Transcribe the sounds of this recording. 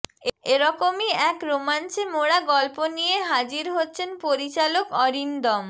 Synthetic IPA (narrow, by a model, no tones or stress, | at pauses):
eɾɔkomiɛkɾomant͡ɕʰemoɽaɡɔlponijeɦad͡ʑiɾɦotːɕʰenpoɾit͡ɕalokɔɾind̪ɔm